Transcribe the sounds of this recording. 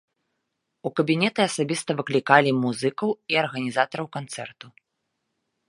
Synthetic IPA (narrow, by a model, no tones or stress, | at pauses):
ukɐbʲinʲɛt̪ɨɐsabʲist̪ɐvɨklʲikalʲimuzɨkɐwiɐrɣɐnʲizat̪ɐɾɐwkant̪sɛ̰rt̪u